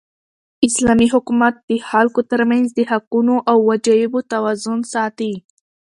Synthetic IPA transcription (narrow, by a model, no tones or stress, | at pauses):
ɪslɑmiɦʊkumat̪̚d̪̥əxalkot̪əɾmanzd̪əhaqunoʔawːad͡ʒajɪbot̪awazʊnsɑt̪i